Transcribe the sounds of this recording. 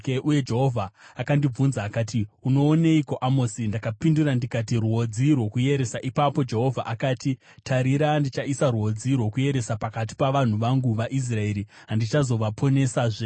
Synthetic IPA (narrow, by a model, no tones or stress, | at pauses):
eʔuje̞d͡ʒeɦo̞vʱaːkandib͡vunzaːkaːtiuno̞ːneiko̞ʔamoːsindakapindurandikat̬iruɦo̞d͡zirwo̞kuje̞ɾe̞saʔipapo̞d͡ʒe̞ɦo̞vʱa̰ʔakaːti | tʰaɾiɾandit͡ʃaisaruo̞d͡zirwo̞kuje̞ɾe̞sapakat̬i̥paʋan̤uʋaŋɡuʋaʔis̬rae̞ɾiɦandit͡ʃazo̞ʋapʰo̞ne̞saʐe